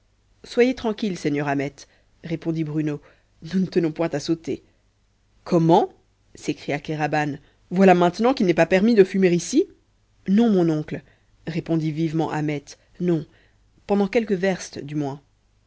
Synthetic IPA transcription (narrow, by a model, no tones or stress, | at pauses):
swajet̪χɑ̃kʲilsɛɲjœʁamɛt̪ | ʁepɔ̃d̪ibʁyno | nunət̪ənɔ̃pwɛ̃t̪asot̪e | kʰɔmɑ̃ | sekχijakeʁaban | vwalamɛ̃t̪nɑ̃kilnɛpapɛʁmid̪əfymeʁisi | nɔ̃mɔ̃nɔ̃kl | ʁepɔ̃d̪ivivmɑ̰̃ʔamɛt̪ | nɔ̃ | pɑ̃d̪ɑ̃kɛlkəvɛʁst̪d̪ymwɛ̃